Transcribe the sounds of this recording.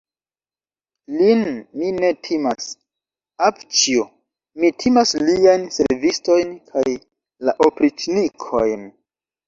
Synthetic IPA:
linmine̞tʰimas | apt͡ʃio | mitʰimasliajnse̞ɾvisto̞jnkʰaj | laʔopɾit͡ʃnikʰojn

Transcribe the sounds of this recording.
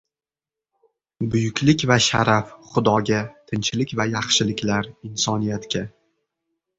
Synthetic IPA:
bʊjʊkʲlɪkʲvaʃa̰ɾafχʊd̪ɒɡʲat̪ʰɪnt͡ʃʰɪlɪkʲvajɑχʃɪlɪkʲlaɾɪnsɒnijat̪kʲa

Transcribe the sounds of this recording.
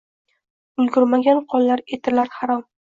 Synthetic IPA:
ʊlɡʲʊɾmaɡʲanqʰɒlˠːaɾet̪ʰɪɾlaɾχɑɾɒm

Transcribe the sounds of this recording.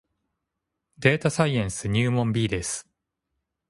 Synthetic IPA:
d̪e̞ːt̪asaiẽɰ̃sɨɲ̟ɨːmõmbʲiːd̪e̞sɨ̥

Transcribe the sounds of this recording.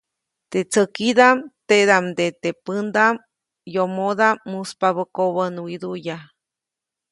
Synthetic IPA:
t̪et͡səkid̪amt̪ed̪amd̪et̪epənd̪am | jomoðamːuspaβəkoβənwid̪uja

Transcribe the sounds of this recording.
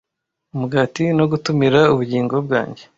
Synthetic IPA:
umuɡaːtino̞ɡutumiɾauβuɟiːŋɡo̞bɡa̰ːɲɟe̞

